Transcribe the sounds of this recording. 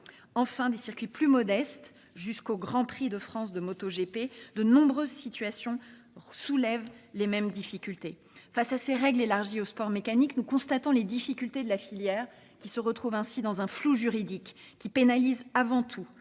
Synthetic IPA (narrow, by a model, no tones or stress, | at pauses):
ɑ̃fɛ̃d̪esiʁkʲɥiplymɔd̪ɛst̪ | ʒyskoɡʁɑ̃pχid̪əfχɑ̃sd̪əmot̪oʒeped̪ənɔ̃bʁøzsit̪ɥasjɔ̃ | sulɛvlemɛmd̪ifikʲylt̪e | fasaseʁɛɡlelaʁʒiospɔʁmekaniknukɔ̃st̪at̪ɔ̃led̪ifikʲylt̪ed̪əlafiljɛʁ | kʲisəʁət̪χuvɛ̃sid̪ɑ̃zɛ̃fluʒyʁid̪ikʲːipenalizavɑ̃t̪ʰu